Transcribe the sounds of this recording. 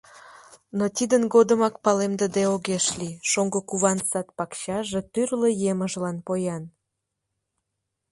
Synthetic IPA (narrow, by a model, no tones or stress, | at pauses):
not̪id̪ənɡod̪əmɑk̚pɑlemd̪əd̪eoɣeʃliʃoŋɡokuβɑnsɑt̪̚pɑkɕɑʒe̽t̪yrlejeməʒlɑnpojɑn